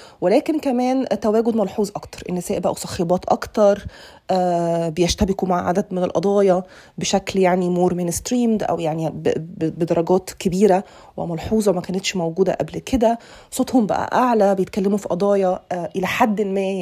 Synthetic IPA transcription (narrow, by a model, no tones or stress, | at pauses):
welæːkenkæmæːnt̪æwæːɡod̪mɑlħuːzˤʔɑkt̪ɑ̥ɾˤʔenːesæːʔbæʔæ̰wsˤɑxebɑːt̪ʔɑ̰kt̪ɑɾˤ | ʔæːbejæʃt̪æbekumaʕʕa̰d̪æd̪mɪnelʔɑ̰d̪ˤɑːjɑ | beʃækljaʕnimoːɾmeːnst̪ɾiːmd̪ʔæ̰wjaʕnibbed̪ɑɾˤɑɡæːt̪kebiːɾæ | wḛmɑlħuːzˤmækæːnet̪ʃmæwɡuːd̪æ̰ʔæblked̪æ | sˤot̪hombæ̰ʔæ̰ʔaʕlæbejet̪̚kælːemufiʔɑd̪ˤɑːjɑʔelæħad̪ːlmæː